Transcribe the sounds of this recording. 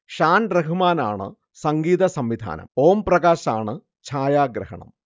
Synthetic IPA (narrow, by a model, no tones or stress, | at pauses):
ʂaːnreɦumaːna̰ːɳɨ̰ | sɐŋɡiːðɐsɐmʋid̪ʱa̰ːnɐ̰mo̞ːmprɐɣaːɕaːɳɨ | t͡ɕʰaːjaːɡɾɐɦɐ̰ɳɐ̰m